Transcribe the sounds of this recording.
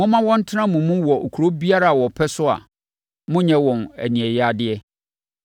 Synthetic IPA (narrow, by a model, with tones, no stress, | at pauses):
mʊ̃˦mã˦wɔ̃˦n̩˦tʰɪ˦nã˦mũ˨mũ˦wɔ˨o˨kʰu˨ɾo˦bi˦a˦ɾa˦a˨wɔ˨pʰɛ˦sʊ˦a̰˨ | mʊ̃˦ɲɛ̃˨˦wɔ̃˨næ̰˨nĩ˨ɛ˨ja˨dɪ˦ɛ˦